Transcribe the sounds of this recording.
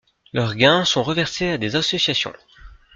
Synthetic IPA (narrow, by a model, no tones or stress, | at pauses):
lœʁɡɛ̃sɔ̃ʁəvɛʁsead̪ezasɔsjasjɔ̰̃